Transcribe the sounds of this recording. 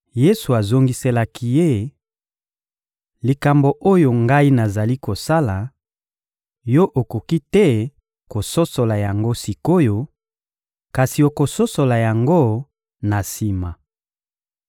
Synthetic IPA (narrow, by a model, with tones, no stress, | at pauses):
je˦su˨a˨zo˨ŋɡi˨se˨la˨ki˦je˦ | li˨ka˨mbo˨ʔo˦jo˨ŋɡa˦i˦na˨za˨li˦ko˨sa˦la˨ | jɔ˦ʔo˨ko˨ki˦tɛ˦ | ko˨so˦so˨la˨ja˨ŋɡo˦si˨ko˦jo˨ | ka˨si˨o˨ko˨so˦so˨la˨ja˨ŋɡo˦ | na˨si˨ma˨